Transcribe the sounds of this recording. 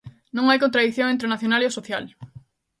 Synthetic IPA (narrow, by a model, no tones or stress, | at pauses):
nõŋajkont̪ɾaðiθjõŋent̪ɾeonaθjonaleosoθjal